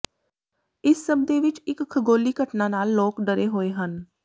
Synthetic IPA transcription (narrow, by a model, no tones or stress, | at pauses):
ɪsːəb̚d̪eːʋɪt͡ʃɪkkʰːəɡoːliːkəʈnãːnaːlːoːkɖəɾeːɦoːeːɦən